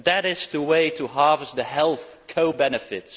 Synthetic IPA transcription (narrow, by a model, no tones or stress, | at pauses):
ðɨɾɪzðəweɪɾəɦɑɹvəstðɨɦɛlˠθ | kʰoʊbɛnɨfɪts